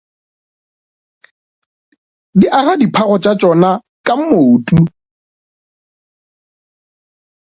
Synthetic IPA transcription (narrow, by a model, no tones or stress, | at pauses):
diʔaɣadipʰaɣɔt͡ʃʼat͡ʃʼɔna | kʼam̩motʼu